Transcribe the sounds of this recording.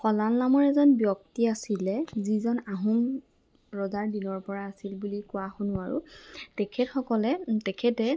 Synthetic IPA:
xɔlalːamɔɹɛzɔnbjɔktiasilɛzizɔnaɦum | ɹɔzaɹdinɔɹpɔɹaːsilbulikʊwaxonʊaɹṵtɛkʰɛtxɔkɔlɛtɛkʰɛtɛ

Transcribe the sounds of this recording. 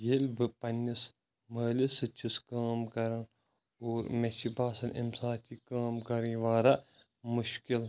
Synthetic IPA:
jelbɨpɐnːis | məːlisɨt͡ʃʰiskaːmkɐɾɐn | oːɾmɐʃibaːsɐnʔḭmsaːt̪ikaːmkɐɾĩʋaːɾɐ | mʊʃkil

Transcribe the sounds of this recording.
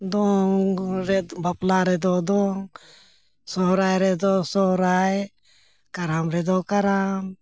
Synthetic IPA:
d̪ɔŋɾɛbaplaɾɛd̪ɔd̪ɔŋ | sɔɾajɾɛd̪ɔsɔɾaj | kaɾamɾɛd̪ɔkaɾam

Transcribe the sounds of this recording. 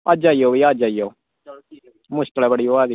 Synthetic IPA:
ad͡ʒaːiːoːʋiːad͡ʒaːio | mʊʃkəlɛbəɽiːoaːd̪iː

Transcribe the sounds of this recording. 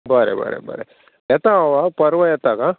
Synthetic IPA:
baːɾḛbɐ̰ɾḛbɐ̰ːɾḛ | ɛt̪ːaʋapɐɾʋɐjɛt̪ːaːka

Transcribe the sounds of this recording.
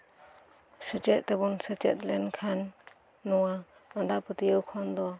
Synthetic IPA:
sət͡ʃɛt̪̚t̪ɛbunsɛt͡ʃɛ̰t̪̚lɛnkʰanː | ɔwa | and̪aʔpət̪ijəwkʰɔnd̪ɔ

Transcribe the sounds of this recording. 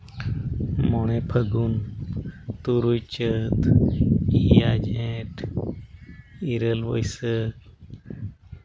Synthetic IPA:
mɔɳepʰəɡun | t̪uɾujt͡ʃət̪ | iad͡ʒẽʈʰ | iɾəlʋəjsə

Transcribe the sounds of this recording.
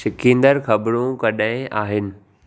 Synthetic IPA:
ɪkĩːnd̪əɾxɐbɾõkɐɗaɦɪ̃aːɦɪnɪ̆

